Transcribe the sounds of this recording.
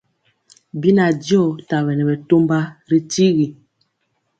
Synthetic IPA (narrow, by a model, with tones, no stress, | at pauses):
bi˦na˨di˦ɔ˦˨ta˨βɛ˨nɛ˨bɛ˨to˦mba˦ɾi˦ti˦ɣi˨